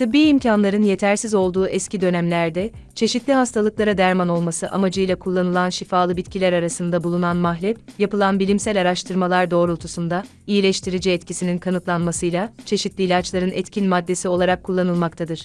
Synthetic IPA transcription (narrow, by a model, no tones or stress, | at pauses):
tt̪ʰɯbːiːimcʰanlˠaɾɯnje̞t̪ʰæɾsizo̞lˠd̪uːʔɛscʰid̪ø̞næmlʲæɾd̪ɛ | t͡ʃʰe̞ʃit̪lʲiɦast̪ʰalˠɯklˠaɾad̪æɾmano̞lˠmasɯʔamad͡ʒɯjlˠakʰulˠːanɯlˠanʃifaːlˠɯbit̪cʰilʲæɾaɾasɯnd̪abulˠunanmaɦlʲɛp̚japɯlˠanbilʲimsælʲaɾaʃt̪ʰɯɾmalˠaɾd̪o̞ːɾulˠt̪ʰusund̪a | ijilʲɛʃt̪ʰiɾid͡ʒiɛt̪cʰisininkʰanɯt̪lˠanmasɯjlˠat͡ʃʰe̞ʃit̪lʲiːlʲat͡ʃlˠaɾɯnɛt̪cʰinmad̪ːe̞sio̞lˠaɾakʰːulˠːanɯlˠmakt̪ʰad̪ɯɾ̥